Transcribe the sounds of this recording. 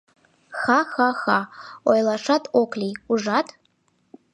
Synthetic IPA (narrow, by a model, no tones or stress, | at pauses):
xaxaxaojlˠaʂatʰʼokʰʼlʲiuʐatʰ